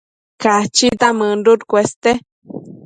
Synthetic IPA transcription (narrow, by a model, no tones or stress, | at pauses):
kat͡ʃit̪aməɳduɾkʷest̪e